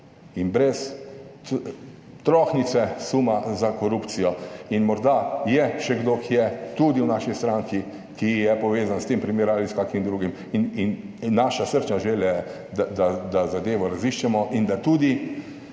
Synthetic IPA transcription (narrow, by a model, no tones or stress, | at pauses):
inbɾɛs | t̪ɾɔxnit̪sɛsumazakɔɾupt̪sijɔinmɔɾd̪ajɛʃɛɡd̪oːkʰijɛt̪ud̪iwnaːʃist̪ɾaŋki | kijɛpɔʋeːzanst̪eːmpɾimeːɾualiskaːkimd̪ɾuɡim | ininː | aːʃasəɾt͡ʃnaʒeljɛɛ | d̪ad̪ad̪azad̪eːʋɔɾaziʃt͡ʃɛmɔʔind̪at̪uːd̪i